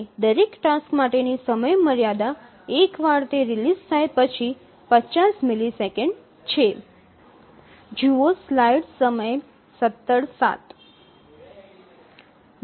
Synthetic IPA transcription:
d̪əɾekʈaskmaʈenisəməjməɾjad̪a | ekʋaɽt̪eɾilizt̪ʰaepət͡ʃʰi | pət͡ʃasmilisekəɳɖ | t͡ʃʰe | d͡ʒioslajɖsəməj | sət̪ːəɽsa̰t̪

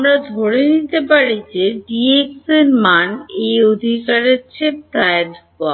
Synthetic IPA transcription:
amɾad̪ʱoɽenit̪epaɾid͡ʑeɖiekseɾmaneod̪ʱikaɾet͡ɕʰep̚t̪aeaɾ | oa

